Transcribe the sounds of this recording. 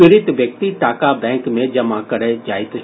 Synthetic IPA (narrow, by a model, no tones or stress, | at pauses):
ɪɾɪt̪ʋjək̚t̪iʈ̪aːkabɛ̃ːŋkmẽd͡ʒɐmãkɐɾed͡ʒaːɪt̪